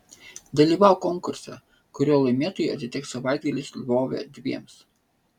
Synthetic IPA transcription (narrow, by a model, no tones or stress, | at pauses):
d̪ɐlʲiːʋɑˑʊkɔŋkʊɾʲsɛ̰ | kʊɾʲoːlˠɐɪmʲeɛt̪oːjɛɐt̪ʲɪt̪ʲɪk̪sɐʋɑˑɪd̪ɡɐlʲɪslʲʋoːʋʲɛ̰d̪ʲʋʲiɛms